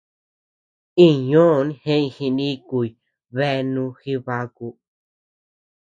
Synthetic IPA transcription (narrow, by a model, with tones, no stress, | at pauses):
ĩ˦˨ɲõː˦˨˧nĩ˦˧hẽ˦ĩ˧˨hĩ˧nĩ˦˧ku˧˨i˨ | βe˦˧nũ˧xi˦βa˧ku˧